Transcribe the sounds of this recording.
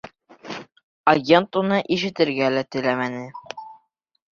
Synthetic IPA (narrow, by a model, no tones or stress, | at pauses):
ɐɡʲent̪unɤʔiʃɘ̆t̪ɘ̆ɾɡælæt̪ɘ̆læmænɘ